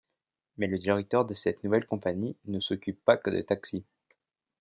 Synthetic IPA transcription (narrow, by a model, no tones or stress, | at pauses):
mɛləd̪iʁɛk̚t̪œʁd̪əsɛt̪nuvɛlkɔ̃paɲinəsɔkʲypːakəd̪ə̰t̪aksi